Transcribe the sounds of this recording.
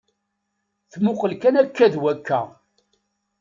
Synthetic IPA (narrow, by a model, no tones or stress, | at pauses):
θmʊqəlkænækːæðwækːæ̰